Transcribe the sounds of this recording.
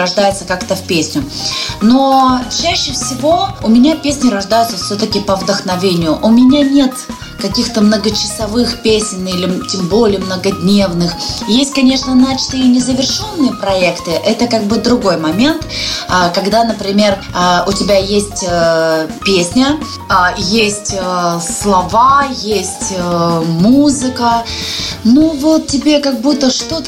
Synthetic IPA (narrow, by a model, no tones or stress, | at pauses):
ɾɐʐd̪ajʊt̪səkakt̪əfʲpʲesʲnʲʊnot͡ɕæɕːɪfsʲɪvo̞ʊmʲɪnʲapʲesʲnʲɪɾɐʐd̪ajʊt̪səfsʲɵt̪əkʲɪpəvd̪əxnɐvʲenʲɪjʊʔʊmʲɪnʲanʲe̞t̪ | kɐkʲixt̪əmnəɡət͡ɕɪ̥sɐvɨxpʲesʲɪnʲilʲɪtʲɪmbo̞lʲɪjəmnəɡɐdʲnʲe̞vnɨxjesʲtʲkɐnʲe̞ʂnənat͡ɕt̪ɨjənʲɪzəvʲɪrʂo̞nːɨjəpɾɐɛkt̪ɨʔɛt̪əkaɡ̚bɨd̪ɾʊɡo̞jmɐmʲe̞nt̪akɐɡd̪anəpɾʲɪmʲe̞r | ʊtʲɪbʲajesʲtʲəpʲesʲnʲə | ajesʲtʲəslˠɐvajesʲtʲəmuzɨkə | nuvo̞t̪̚tʲːɪbʲe̞kɐɡ̚but̪ːəʂt̪o̞t̪